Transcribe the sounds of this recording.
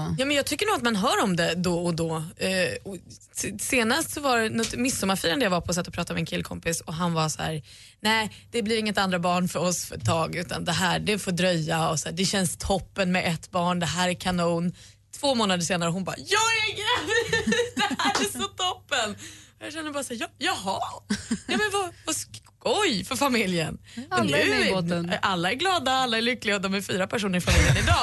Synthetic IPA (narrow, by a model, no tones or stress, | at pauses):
jɑːmɛnjɑːɡt̪ʰʏkːəɳuːɡat̪manɦœːɾɔmd̪ɛd̪ɔɔd̪ɔ | ɔ | seːnast̪sɔvaɾɛnɔt̪mɪsːɔmːaɾfiːɾand̪əjavaɾpʰɔːs̬ɛt̪ːɔpɾɑːt̪amɛnkʰɪlːkʰɔ̰mpɪsɔɦanvasɔhæ̰ːɾ | nɛɪd̪̥ɛblɪɾɪŋːət̪and̪ɾabɑːɳfœɾɔsfœ̰ʈ̪ʰːɑːɡʉ̟ːt̪a̰nd̪ɛɦæːɖɛfoːd̪ɾœjːaɔsæːɖɛɕɛnst̪ʰɔpːənmɛʔɛt̪ːbɑːɳd̪ɛɦæːɾækʰanuːn | t̪ʰv̥oːmoːnad̪əɾʂeːnaɾəɦʊnbɑ̰ɾjɑːɡɛɡɾɛvd̪ɛhæːɾæsɔt̪ʰɔpːənɔjɑɕɛnːəɾbɑːɾasæːɾjɑːjɑːɦɑjɑːmɛnvavas | ɔjfœɾfamɪljənɔmæj | ʔalːaɛɾɡlɑːd̪aalːaɛɾlʏkːlɪɡaɔd̪ɔmæɾfyːɾapʰæʂ̬uːnəɾɪfamɪljənɪd̪ɑː